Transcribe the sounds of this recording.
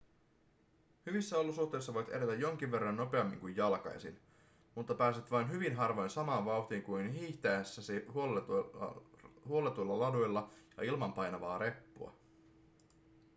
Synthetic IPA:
hyʋisːæo̞lusuht̪e̞js̬ːɑʋo̞jt̪e̞ɾe̞t̪æjːo̞ŋk̟iʋʋe̞rːɑnːo̞pe̞ɑmːḭŋkujjɑlkɑ̰jsḭn | mut̪ːɑpæːset̪ʋɑjnɦyʋinɦɑrʋo̞jnsɑmɑːnʋɑwht̪iːŋkujnɦiːçt̪eæsːæsihol | huo̞let̪ujlːɑlɑdujlːɑjɑ̰ilmɑmpɑjnɑʋɑːɾe̞pːuɑ̰

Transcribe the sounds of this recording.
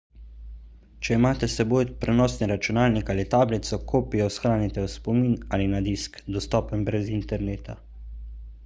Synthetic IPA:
t͡ʃɛimaːt̪ɛsɛboːjpɾɛnɔːsniɾat͡ʃunaːlnikaːlit̪aːblit̪sɔkʰoːpijɔsxɾaːnit̪ɛwspɔmiːnaːlinad̪iskd̪ɔst̪ɔːpɛmbɾɛzint̪ɛɾneːt̪a

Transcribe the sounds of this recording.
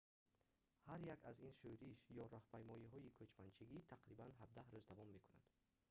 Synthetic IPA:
haɾjakʰa̰zinʃuɾiʃjɔɾɔhpajmɔiɦɔikʰɵt͡ʃmant͡ʃʰiɡit̪ʰaqɾibanɦab̚d̪ahɾuzd̪avɔmːe̞kʰuna̰d̪̥

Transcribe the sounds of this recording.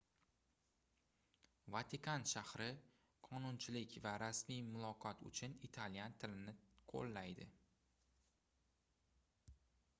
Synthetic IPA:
vat̪ʰɪkʰanʃahɾɪ | qʰɒnʊnt͡ʃʰɪlɪkʲvaɾasmijmʊlˠɒqʰɒt̪ʊ̰t͡ʃʰʊnit̪ʰaljant̪ʰɪlɪnɪqʰo̰lˠːajd̪ɪ

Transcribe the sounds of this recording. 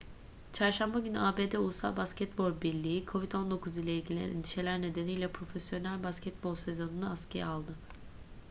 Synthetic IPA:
t͡ʃʰaɾʃambaɟynyaːbe̞ːd̪ɛulˠusa̰lˠbascɛt̪bo̞lbiɾlʲiikʰo̞vit̪o̞nd̪o̞kʰuzilʲˠɛilʲɟʲilʲijɛ̰nḭnd̪i̥ʃe̞lʲæɾne̞d̪e̞nijlʲɛpʰɾo̞fesjo̞nælʲbascʰɛt̪̚bo̞lˠsezo̞nunaascʰejɛ̰alˠd̪ɯ

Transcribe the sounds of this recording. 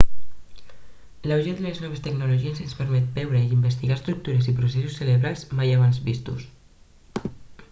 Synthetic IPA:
lawʒed̪eleznɔβest̪eɡnuloʒiezənspəɾmɛt̪̚bɛwɾeiimbəst̪iɣast̪ɾuk̚t̪uɾezipɾus̬esusːeleβɾalzmajaβanzβist̪us

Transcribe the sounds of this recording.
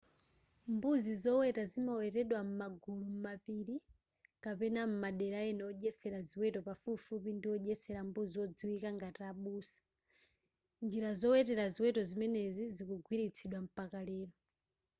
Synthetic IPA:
mbuzizɔwɛtazimawɛtɛɗwam̩maɡulum̩mapiɾi | kapɛnam̩maɗɛɾaɛnɛɔʄɛsɛɾaziwɛtɔpafufupindiwɔʄɛsɛɾambuziwɔd͡ziwikaŋɡataɓuːsḁ | nd͡ʒiɾazɔwɛtɛɾaziwɛtɔzimɛnɛzizikuɡwiɾit͡sʰiɗwam̩pakalɛːɾɔ

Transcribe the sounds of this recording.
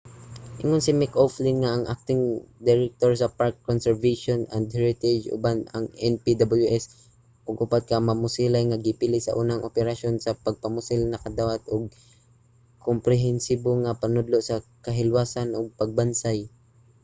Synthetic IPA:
ʔɪŋonsɪmɪkoflɪŋːaʔːŋʔa̰k̚t̪ɪŋd̪ɛɾɛk̚t̪oɹsɐpaɹkːonsɛɹveʃonand̪hɛɹɪt̪ɛd͡ʒʔʊ̰banɐ̰ŋʔɛnpid̪abɐljuʔɛs | ʔoɡʔʊpat̪̚kɐmɐmʊsilajŋaɡɪpilɪsɐ̰ʔuːnaŋʔopɛɾaʃonsɐpɐɡ̚pɐmʊsɪlnɐkɐd̪awat̪oɡ̚ | kompɾɛɦɛnsiboŋɐpɐnʊd̪loʔsɐkɐɦɪlwaːsanʔoɡ̚pɐɡ̚bansaj

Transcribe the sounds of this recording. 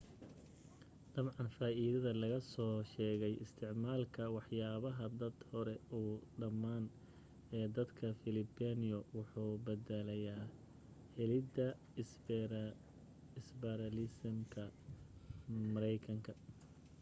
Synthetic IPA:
d̪̥ɐbʕɑnfaːʔiːðɐðɐlɐɣɐsɔːʃɛːɣɛjɪst̪ʰɪʕmaːlkʰɐwɑħjaːβɐɦɐd̪ɐd̪hɔɾɛuːɖɐmːaːn | ɛːd̪ɐd̪kʰɐfɪlɪbɛnɪjɔwʊħuːbɐd̪ɛlɐjaː | hɛlɪd̪ɐ | ɪsbɛɾɐlɪsmkʰɐ | mɐɾɛjkʰɐŋkʰɐ

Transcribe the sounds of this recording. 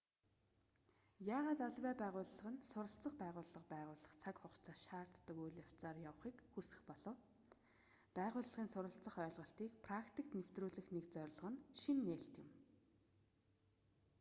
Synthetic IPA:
jaːʁaːt̪aɮwæːpæːʁʊːɮːə̆ʁə̆nsʊɾə̆ɬt͡sə̆χpæːʁʊːɮːə̆qpæːʁʊːɮə̆χt͡sʰakχʊχt͡sʰaːʃaːr̥t̪ːə̆kujɮaw̥t͡saːrjaw̆χiːkxusɘ̥̆xpɔɮɞ̆w | pæːʁʊːɮːə̆ʁiːnsʊɾə̆ɬt͡sə̆χœːɮʁə̆ɬt̪iːkpʰrakt̪ʰik̚t̪new̥t̪ruːɮɘ̆xnekt͡sœɾ̆ʲɮʁə̆nʃinːeːɬt̪jɪ̆m

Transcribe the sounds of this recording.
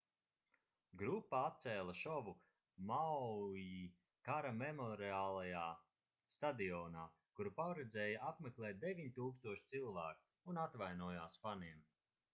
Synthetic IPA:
ɡɾupːaat̪̚sɛːlˠaʃɔvu | mawji | kaɾamemɔɾiaːlˠajaː | st̪ad̪iɔːnaː | kuɾupaɾɛd̪zɛːjaʔapmeklˠɛːt̪̚d̪evʲiɲit̪uːkst̪uɔʃt̪silˠvaːku̥ | unat̪vajnuɔjaːsfaniɛm

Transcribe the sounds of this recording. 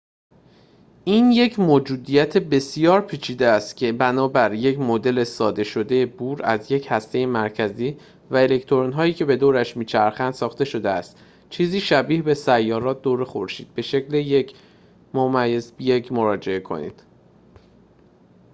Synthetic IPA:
ʔiːnje̞cʰmoːd͡ʒuːd̪ijæt̪ʰebe̞sijɒːɾpʰiːt͡ʃʰiːd̪eæst̪cʲʰe̞bænɒːbæɾje̞cʰmod̪e̞le̞sɒːd̪e̞ʃo̞d̪e̞jebuːɾæzje̞chæst̪e̞jemæɾcʰæziː | væe̞le̞ct̪ʰoɾonɦɒːjiːcʰe̞be̞d̪oːɾæʃmiːt͡ʃʰæɾxænd̪sɒːxt̪e̞ʃo̞d̪eæst̪ | t͡ʃʰiːziːʃæbiːhbe̞sæjːɒːɾɒːt̪̚d̪oːɾexoɾʃiːd̪̚be̞ʃeclejec | momæjezjecʰmo̞ɾɒːd͡ʒe̞e̞kʰo̞̰nḭːd̪̥

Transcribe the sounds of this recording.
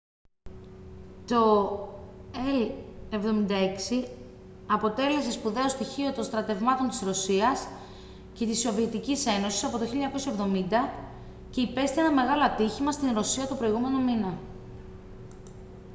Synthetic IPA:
t̪o̞ | ele̞vðo̞mind̪ɐe̞ksi | ɐpo̞t̪e̞le̞s̬e̞spuðe̞o̞st̪içio̞t̪o̞nst̪ɾɐt̪e̞vmɐt̪o̞nt̪i̥sɾo̞siɐs | ce̞t̪iso̞vie̞t̪icise̞no̞si̥sɐpo̞t̪o̞çiʎɲɐko̞sievðo̞mind̪ɐ | ce̞ipe̞st̪ienɐme̞ɣɐlo̞ɐt̪içimɐst̪inɾo̞siɐt̪o̞pɾo̞iɣume̞no̞minɐ

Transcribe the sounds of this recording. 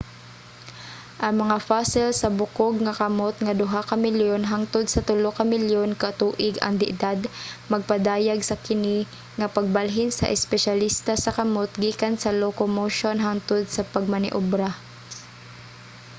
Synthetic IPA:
ʔɐŋmɐŋafasɪlsɐbʊkoɡŋɐkɐmot̪̚ŋɐd̪ʊɦakɐmɪljonɦaŋt̪ʊd̪̚sɐt̪ʊlokɐmɪljonkɐt̪uːʔɪɡɐ̰ŋd̪ɪʔd̪ad̪mɐɡ̚pɐd̪aːjaɡsɐkɪni | ŋɐpɐɡ̚balɦɪnsɐ̰ʔɛspɛʃalist̪asɐkɐmot̪̚ɡiːkansɐlokomoʃonɦaŋt̪ʊd̪̚sɐpɐɡ̚mɐnɪ̰ʔobɾa

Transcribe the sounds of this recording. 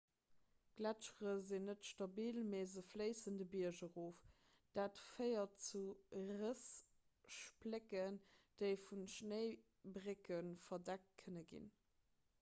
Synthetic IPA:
ɡ̥lætʃʁəzinətʃtɑbiːlmeːzəfləɪsəndəbiɐʒəʁoːf | d̥aːtfɜɪɐt͡suʁəs | ʃplekənd̥eɪfunʃnəɪ | bʁekənfɐdæk̚t̚kʰənəɡḭn

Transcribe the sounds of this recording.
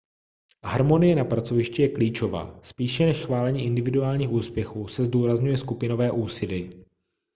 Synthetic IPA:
ɦaɾmo̞nɪjɛnapɾat͡so̞vɪʃcɪjɛkliːt͡ʃo̞va̰ːspiːʃɛnɛʃxvaːlɛɲiːʔɪndɪvɪduaːlɲiːxuːspjɛxuːsɛzduːɾazɲujɛskupɪno̞vɛːʔuːsɪdɪ

